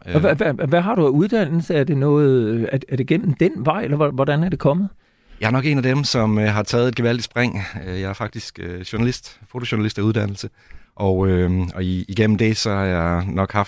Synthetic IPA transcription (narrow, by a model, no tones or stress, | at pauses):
ʋʋæʋæɦɑ̈ɾuæuð̞ˠd̥æn̰l̩səæɐd̥e̝nɔ̽ːð̩ˠæɐæɐd̥e̝ɡ̥en̰m̩d̥enʋɑ̈ɪ̰elɐʋɒʋɒd̥ænæɐd̥e̝kʰɒ̽mð̩ˠ | jɑ̈ɪɐnɒ̽ɡ̥e̝næd̥emsɒ̽møɦɑ̈t͡sʰɛːð̞̩ˠe̝d̚ɡ̥eʋæl̰did̥sb̥ʁeŋ̰øjɑ̈ɪæɐfɑ̈ɡ̥̚d̥isɡ̥øɕuɐnælisd̥fo̝t͡sʰo̝ɕoɐnælisd̥æuð̞ˠd̥æn̰l̩sə | ʔɒʊøɒ̽iiɡ̥en̰m̩d̥e̝sɒ̽hɑ̈jɑ̈ɪnɒ̽ɡ̥hɑ̈f